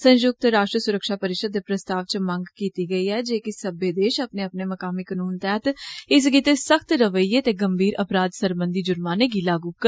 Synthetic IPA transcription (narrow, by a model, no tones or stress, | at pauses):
sə̃nd͡ʒʊɡ̚t̪ɾaːʃʈɾəsʊɾəkʃaːpəɾɪʃəd̪ːeːpɾəst̪aːʋt͡ʃməŋɡkiːt̪iːɡəiːɛːd͡ʒeːkɪsəbeːd̪eːʃəpneːəpneːməkaːmiːkənuːnt̪ɛːt̪ɪs̬ɡiːt̪esəkʰt̪ɾəʋəiːeːt̪eːɡəmbʱiːɾʔəpɾaːd̪səɾbə̃nd̪iːd͡ʒʊɾmaːneːɡiːlaːɡuːkəɾ